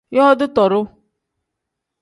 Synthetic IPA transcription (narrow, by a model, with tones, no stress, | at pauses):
jɔ˦ɔ˦d̪ʊ˦t̪ɔ˨ɾʊ˦